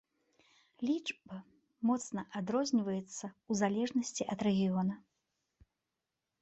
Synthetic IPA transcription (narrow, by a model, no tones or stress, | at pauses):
lʲit͡ʂbɐ | mɔt̪snɐʔad̪ɾɔzʲnʲivɐjɛt̪sːɐuzalʲɛʐnɐsʲt͡sʲiʔɐt̪ɾɛɣʲijɔnɐ